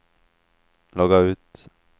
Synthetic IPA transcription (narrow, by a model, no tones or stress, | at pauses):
lɔɡaʉ̟ːt̪